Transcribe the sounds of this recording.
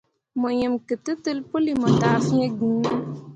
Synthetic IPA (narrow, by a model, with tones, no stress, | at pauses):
mo˨je˨mkə˨tɨ˦tɨ˦lpu˦li˦˨mɔ˨taː˨˦fi˦ẽ˦ɡĩ˨˦